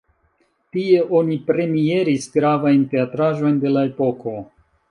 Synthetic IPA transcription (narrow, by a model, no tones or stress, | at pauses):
tie̞ʔo̞nipɾe̞mie̞ɾisɡɾavajnte̞atɾaʒo̞jnde̞lae̞po̞ko̞